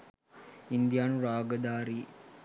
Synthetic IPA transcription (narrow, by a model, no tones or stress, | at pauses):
ind̪ijaːnuɾaːɡəd̪aːɾi